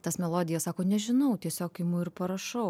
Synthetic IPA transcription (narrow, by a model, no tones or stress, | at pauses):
t̪ɐsmʲɛlˠoːd̪ʲɪjɛssɑːkoːnʲɛʒʲɪnɐʊt̪ʲiɛsʲoːkɪmʊɪɾpɐɾɐʃɐʊ